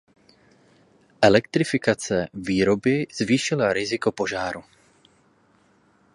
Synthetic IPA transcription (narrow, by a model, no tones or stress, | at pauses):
ʔɛlɛkt̪ɾɪfɪkat͡sɛviːɾo̞bɪz̥viːʃɪlaɾɪzɪko̞po̞ʒaːɾu